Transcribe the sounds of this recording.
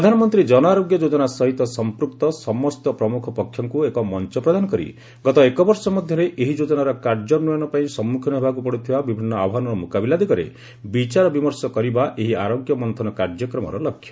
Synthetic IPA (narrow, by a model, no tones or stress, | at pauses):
pɾɔd̪ʱanɔmɔnt̪ɾid͡ʒɔnɔaɾoɡjɔd͡ʒod͡ʒɔnasɔɦit̪ɔsɔmpɾukt̪ɔsɔmɔst̪ɔpɾɔmukʰɔpɔkʰjɔŋkuekɔmɔnt͡ʃɔpɾɔd̪ʱanɔkɔɾḭ | ɡɔt̪ɔekɔbɔɾsɔmɔd̪ʱjɔɾeʔeɦid͡ʒod͡ʒɔnaɾɔkaɾd͡ʒɔnujɔnɔpaĩsɔmːukʰɔnɔɦebakupɔɽut̪ʰibabibʱinːɔabɔɦanɔɾɔmukabilad̪ikɔɾḛ | bit͡ʃaɾɔbimɔɾsɔkɔɾibaʔeɦiaɾoɡjɔmɔnt̪ʰɔnɔkaɾd͡ʒjɔkɾɔmɔ̰ɾɔlɔkʰːjɔ̥